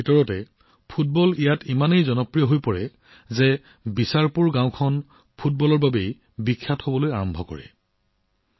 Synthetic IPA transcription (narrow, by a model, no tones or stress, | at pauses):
bʱitɔɹɔtɛ | pʰut̚bɔlijatimanejzɔnɔpɹijɔɦojpɔɹɛ | zɛ | bisaɹpuɹɡãw̃kʰɔn | pʰut̚bɔlɔɹbabej | bikʰːathobɔlojaɹɔmbʱɔkɔ̰ɹɛ̰